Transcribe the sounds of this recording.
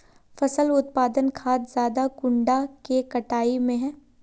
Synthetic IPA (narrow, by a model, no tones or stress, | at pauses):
fɐsəlʊt̪̚paːd̪ənkʰaːt̪zjaːd̪akʊ̃ɳɖakekɐʈaːimẽɦɛ̃ː